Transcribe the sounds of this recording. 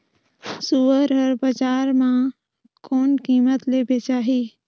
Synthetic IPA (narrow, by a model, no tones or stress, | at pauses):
suːəɾəɾbəd͡ʒaːɾmã | koːnkiːmət̪lebet͡ʃaːɦiː